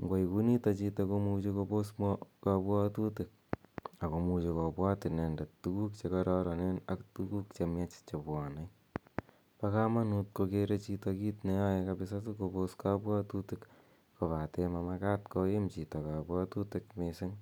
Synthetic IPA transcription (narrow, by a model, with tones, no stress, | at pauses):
ŋɡwa˨jku˦nitɔ˧t͡ʃi˧to˧ko˧mut͡ʃekopo˦smkapwa˦tu˦tɪk̚a˨ko˨mu˧t͡ʃe˧ko˨pwa˦tɪ˨nɛ˨nda˨tuku˦k̚t͡ʃe˧kaɾɔɾɔ˨nena˦ktuku˦kt͡ʃe˧mja˦t͡ʃt͡ʃepwa˨na˦j | paka˦ma˦nut̚ko˧keɾe˦t͡ʃi˧tokiː˦tne˦ja˦jekapɪsatuko˧po˦ska˦pwa˦tuti˦kː | o˨pa˨temama˦ka˦tko˧je˦mt͡ʃi˨tɔ˨ka˨pwa˦tu˦tɪ˨kmesɪ˦ŋ